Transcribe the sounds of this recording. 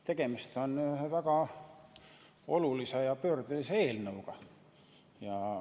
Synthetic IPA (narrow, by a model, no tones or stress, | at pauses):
t̪e̞ɡ̥e̞mist̪o̞nyvæɡ̥ɑ | o̞lulisejɑpø̞ːrd̪̥uliseeːlnɤuɡ̥ɑ | jɑ